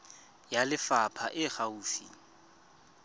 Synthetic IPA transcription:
jalɪfapʰaʔɪχauːfḭ

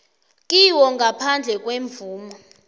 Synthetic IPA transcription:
kʼiwɔŋɡʱapʰand͡ɮʱɛk̬ʼweɱb̪vuːmɔ

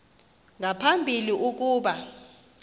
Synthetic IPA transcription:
ŋapʰambʱiliʔuk̬uːɓa

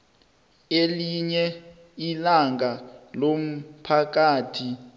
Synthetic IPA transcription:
eliɲɛ | ilaŋɡʱalom̩pʰak̬aːtʰi

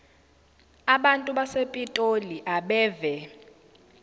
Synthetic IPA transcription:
aɓantʼuɓasepʼitʼoliʔaɓɛːvɛ

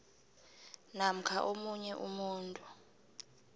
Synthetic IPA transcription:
nam̩kʰaʔomuɲɛʔumuːntʼu

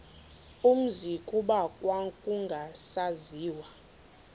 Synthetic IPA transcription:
um̩zikʼuɓakʼwaŋkʼuŋɡʱasaziːwa

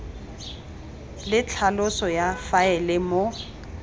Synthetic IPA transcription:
lɪt͡ɬʰalʊsɔjafaɛlɛmo

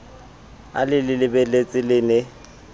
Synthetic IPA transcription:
a̰lɪlɪlɪbɛlet͡sʼɪlɪnɪ

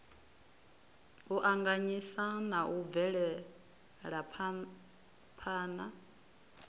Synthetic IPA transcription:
uʔaŋɡaɲisanaʔub̪vɛɺɛ | ɺapʰ | pʰaːna

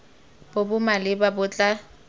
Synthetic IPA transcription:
b̥obʊmalɪbabʊt͡ɬʼa

